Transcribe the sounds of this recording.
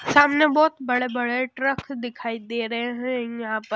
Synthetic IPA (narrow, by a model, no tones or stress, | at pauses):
saːmnebɔːt̪bɐɽebɐɽeʈɾəkd̪ɪkʰaːid̪eːɾɐɦeɦɛ̃jɐɦãːpəɾ